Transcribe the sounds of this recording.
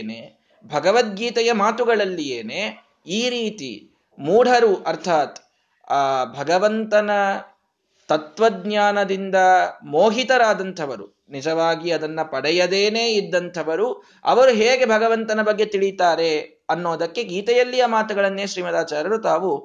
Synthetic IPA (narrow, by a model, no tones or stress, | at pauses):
ne | bʱɐɡɐʋɐt̪̚ɡiːt̪ɛjɐmaːt̪uɡɐɭɐlːijeːne | iːɾiːt̪ḭ | muːɽʱɐɾuʔɐɾt̪ʰaːt̪ː | bʱɐɡɐʋɐnt̪ɐnɐ | t̪ɐt̪ʋɐd̪ɲjaːnɐd̪ind̪ɐmoːɦit̪ɐɾaːd̪ɐnt̪ʰɐʋɐɾṵ | nid͡ʒɐʋaːɡiɐd̪ɐnːɐpɐɽɛjɐd̪eːneːid̪ːɐnt̪ʰɐʋɐɾu | ɐ̰ʋɐɾuɦeːɡe̞bʱɐɡɐʋɐnt̪ɐnɐbɐɡːe̞t̪iɭit̪aːɾe̞ | ɐnːoːd̪ɐkːe̞ɡiːt̪ɛjɐlːijɐmaːt̪uɡɐɭɐnːe̞ːʃɾiːmɐd̪aːt͡ʃaːɾɐɾut̪aːʋu